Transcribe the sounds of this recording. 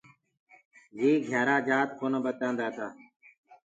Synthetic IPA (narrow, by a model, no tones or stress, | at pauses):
d͡ʒeːɡʱjaːɾaːd͡ʒaːt̪̚kʰoːnəbət̪ãːnd̪aːt̪aː